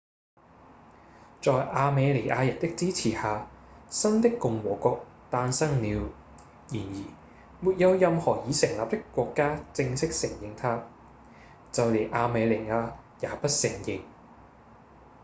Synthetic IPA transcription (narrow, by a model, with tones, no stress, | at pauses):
t͡ʃɔː˨jʔaː˧me˨˧jle˨˩ʔaː˧jɐ˨˩n̚t̪ɪ˥k̚t͡siː˥t͡sʰiː˨˩haː˨˧sɐ˥nt̪ɪ˥kːʊ˨ŋwɔː˨˩kʷɔː˧k̚ | t̪aː˧nsɐ˥ŋliː˨˧w | jiː˨˩njiː˨˩ | muː˨˩t̚jɐ˨˧wjɐ˧mhɔː˨˩jiː˨˧sɪ˨˩ŋlaː˨p̚t̪ɪ˥kːʷɔː˧kːaː˥t͡sɪ˧ŋsɪ˥k̚sɪ˨˩ŋjɪ˨ŋt̪ʰaː˥ | t͡sɐ˨˧wle˨˩ʔaː˧me˨˧jlɪ˨˩aː˧jaː˨pɐ˥t̚sɪ˨˩ŋjɪ˨˧ŋ